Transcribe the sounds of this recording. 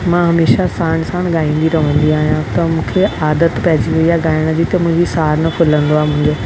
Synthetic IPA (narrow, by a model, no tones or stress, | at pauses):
mãːɦɐmeːʃasaːɽ̃sãːɽ̃ɠaːĩːnd̪iɾɐʋə̃nd̪iaːɦijãt̪ɐmũːkʰeaːd̪ət̪pɐɦɪd͡ʑijaɠaːɪɽ̃əd͡ʑiːt̪ɐmʊ̃ɪ̃ɲd͡ʑisaːɾnɐkʰʊlə̃nd̪oaːmʊ̃ɦɪ̃ɲd͡ʑeː